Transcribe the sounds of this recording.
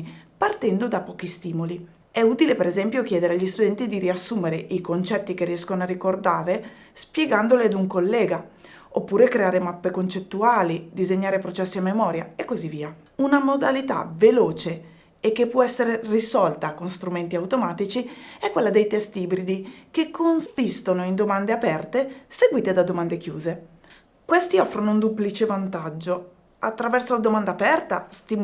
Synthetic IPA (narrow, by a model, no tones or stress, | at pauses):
part̪ɛnd̪od̪apɔːk̟ist̪iːmoli | ɛut̪ilepeɾezɛmpjok̟jɛːd̪eɾeaʎːist̪ud̪ɛnt̪id̪iɾiasːuːmeɾeʔikont͡ʃɛt̪ːik̟eriɛskonoarikord̪aːɾe | spjeɡand̪olead̪uŋkolːɛːɡa | opːuːɾekɾeaːɾemapːekont͡ʃet̪ːuaːlid̪izeɲːaːɾepɾot͡ʃɛsːiamːemɔːɾjaekːozivːiːa | unamod̪alit̪a̰veloːt͡ʃe | ek̟ːepːwɔɛsːeɾerisɔlt̪akonst̪ɾument̪iawt̪omaːt̪it͡ʃiɛkːwelːad̪ejt̪ɛst̪ibɾid̪ikekʰːonsist̪onoind̪omand̪eapɛrt̪eseɡwiːt̪ed̪ad̪omand̪ek̟juːze | kwest̪iɔfːɾonound̪uplit͡ʃevant̪ad͡ʒːo | at̪ːɾavɛrsolad̪omand̪aːpɛrt̪ast̪im